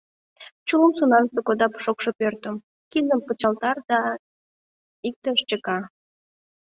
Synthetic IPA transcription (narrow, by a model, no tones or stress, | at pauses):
t͡ɕuləmsunɑnsəkod̪ɑpʃokʃopørt̪əm | kind̪əmpət͡ɕɑlt̪ɑrd̪ɑ | ik̚t̪əʃt͡ɕəkɑ